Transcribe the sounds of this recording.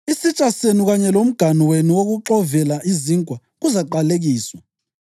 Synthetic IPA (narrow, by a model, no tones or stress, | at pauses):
isit͡ʃʼasenuɣaɲɛlom̩ɡ̥ʱaniwenuwoɣuǁɔvɛlaʔiziŋkʼwa | ɣuzaǃaleɣiːswa